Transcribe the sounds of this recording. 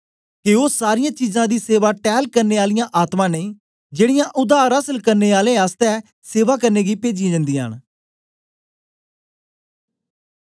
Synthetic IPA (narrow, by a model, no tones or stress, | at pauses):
kɪoːsaːɾɪjãːt͡ʃiːzãːd̪iːseːʋaːʈɛːlkəɾneːaːlɪjãːʔaːt̪mãːneĩː | d͡ʒeːɽɪjãːʔʊd̪aːɾəsəlkəɾneːaːlẽːaːst̪ɛː | seːʋaːkəɾneːɡiːpeːd͡ʒij̃ːd͡ʒə̃nd̪iːaɳ